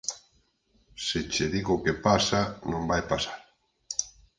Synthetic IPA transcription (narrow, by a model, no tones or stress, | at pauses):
sɪt͡ʃeðiɣokepasanõmbajpasaɾ